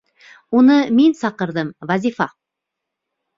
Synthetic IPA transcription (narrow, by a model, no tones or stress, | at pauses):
wonəmensɑqəɾd̪əmvazifɑ